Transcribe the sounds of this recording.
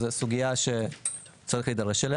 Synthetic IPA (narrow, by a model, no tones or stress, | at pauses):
zesuɡijaʃe | t͡saʁiχlid̪ɐʁeʃele